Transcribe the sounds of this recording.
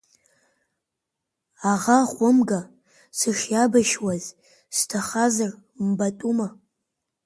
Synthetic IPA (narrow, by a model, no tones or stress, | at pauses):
aʁaχʷʊmɡa | sɨʂjabaʃwaz | stʰaχazar | mbatʼuma